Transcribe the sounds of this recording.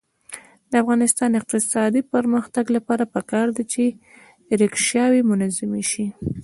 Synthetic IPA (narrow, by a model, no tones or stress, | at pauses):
d̪əafɣɑnɪst̪ɑnɪq̚t̪ɪsɑd̪ipəɾməxt̪aɡlapɑɾapəkɑɾd̪at͡ʃe | ɾekʃjɑwemʊnazɪmeʃi